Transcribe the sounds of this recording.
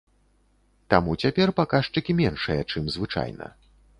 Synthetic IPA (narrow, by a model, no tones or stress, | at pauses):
t̪amut͡sʲapʲɛrpakaʂt͡ʂɨkʲimʲɛnʂɨjɐt͡ʂɨmzvɨt͡ʂa̰jnɐ̰